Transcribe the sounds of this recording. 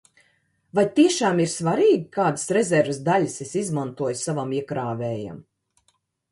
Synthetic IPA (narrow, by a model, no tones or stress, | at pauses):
vajt̪iɛʃaːmiɾsvaɾiːɡʲikaːd̪sɾɛzʲɛɾvsd̪aʎʲisesizmant̪uɔjsavamiɛkɾaːvɛːja̰m